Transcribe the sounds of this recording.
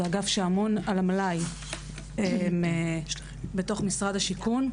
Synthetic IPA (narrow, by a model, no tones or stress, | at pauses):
aɡafʃeamonalamlaj | eme | beto̞χmisʁadhaʃikun